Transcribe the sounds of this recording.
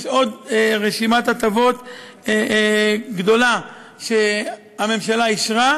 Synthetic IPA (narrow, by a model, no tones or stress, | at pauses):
ʃod̪ʁeʃimat̪at̪avo̞t̪ | e | ɡd̪o̞la | ʃe | ame̞mʃalaiʃʁa